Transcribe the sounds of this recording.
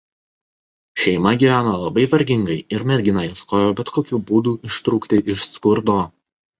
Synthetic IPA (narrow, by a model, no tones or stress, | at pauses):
ʃʲɛɪmɐɡʲiːʋʲæːnoːlˠɐbɐɪʋɐɾʲɡʲɪŋɡɐɪɪɾmʲɛd̪ʲɡʲɪnɐjɪskoːjoːbʲɛt̪koːkʲuːbuːd̪uːʔɪʃt̪ɾuːkt̪ʲɪʔɪʃskʊɾd̪oː